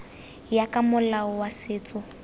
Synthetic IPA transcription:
jakʼamʊlaɔwasɪːt͡sʼʊ

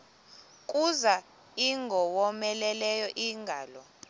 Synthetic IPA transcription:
kʼuza | iŋɡʱɔwɔmɛlɛlɛjɔʔiŋɡʱaːlɔ

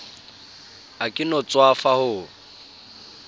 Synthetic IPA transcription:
akʼɪnɔt͡sʼwafahʊ

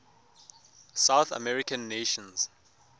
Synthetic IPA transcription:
saʊθə̰mɛɹikə̃nːeʃɔ̃nz̥

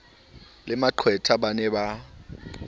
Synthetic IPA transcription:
lɪmaǃʰwɛtʰabanɛba

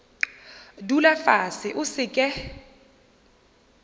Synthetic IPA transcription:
dulafasɪʔʊsɪkʼɛ

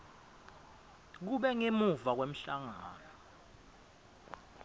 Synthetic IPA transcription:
k̬uɓɛŋemuvak̬wem̩ɬaŋaːnɔ

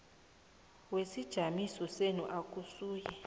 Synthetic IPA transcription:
wesid̥ʒ̥ʱamisɔsenuʔakʼusuːjɛ

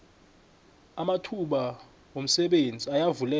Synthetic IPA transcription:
amatʰuɓa | om̩sɛɓend͡zʱiajavulɛ

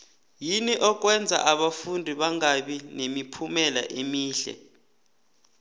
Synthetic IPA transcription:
jiniʔɔk̬ʼwɛnd͡zʱa̰ʔaɓafundʱiɓaŋaɓinemipʰumɛla̰ʔemiːɬɛ̰

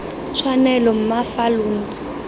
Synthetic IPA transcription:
t͡ʃʰwanɛlɔm̩mafalʊn̩ːt͡sʼi̥

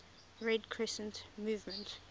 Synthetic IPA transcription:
ɹɛdkʰɹɛsə̃ntmuːvmə̃nt

